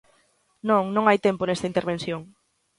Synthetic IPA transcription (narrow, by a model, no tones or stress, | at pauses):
nõŋnõŋajt̪emponest̪ɐint̪eɾβẽnθjoŋ